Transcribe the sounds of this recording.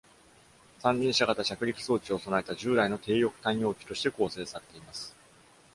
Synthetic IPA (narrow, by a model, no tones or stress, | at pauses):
sãɲ̟d͡ʑĩɰ̃ɕaɡat̪aɕakɯ̟ɾʲikɯ̟̥so̞ːt͡ɕio̞so̞naet̪aʑɨːd̪aino̞t̪ʰe̞ːjo̞kɯ̟̥t̪ãj̃jo̞ːkʲi̥t̪o̞ɕi̥t̪e̞ko̞ːse̞ːsaɾe̞t̪e̞imasɨ̥